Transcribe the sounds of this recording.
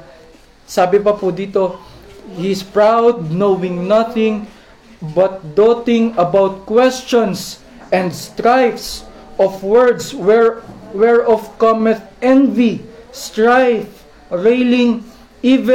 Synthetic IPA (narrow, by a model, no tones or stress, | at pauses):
saːbɪp̬ɐpud̪iːt̪ohispɹawd̪̚nowɪ̃ŋnɐθɪ̃ŋ | bɐt̪̚d̪ot̪ɪ̃ŋɐbawt̪̚kwɛst͡ʃɔ̃ns | ʔɛ̃nd̪st̪ɹajfs | ʔɔfwɛɹd̪s | wɛɹɔfkɔmɛt̪̚ɛ̃nvist̪ɹajf | ɹejlɪ̃ŋ | ivɛ